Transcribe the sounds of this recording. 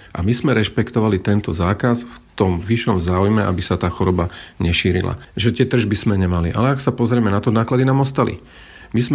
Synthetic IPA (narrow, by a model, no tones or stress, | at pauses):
ʔa̰mizmɛɾɛʃpɛkt̪ɔʋalit̪ɛnt̪ɔzaːkasft̪ɔmʋiʃɔmzaːujmɛʔa̰bisat̪aːxɔɾɔbaɲɛʃiːɾḭla̰ʒɛt̪ɪɛt̪r̩ʒbizmɛɲɛmaliʔa̰lɛaksapɔzɾɪɛmɛnat̪ɔnaːklad̪inaːmɔst̪alḭ | mizm